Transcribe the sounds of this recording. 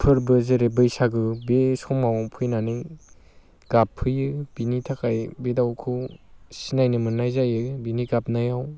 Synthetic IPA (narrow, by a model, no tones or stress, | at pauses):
pʰɯɾbɯzeɾebɯjsaɡɯbesɔmmawaŋpʰɯjnanɯj | ɡ̥apʰːɯjɯb̥initʰakajbedawkʰɯsinajnɯmɯnːajzajɯbiniɡap̚najaw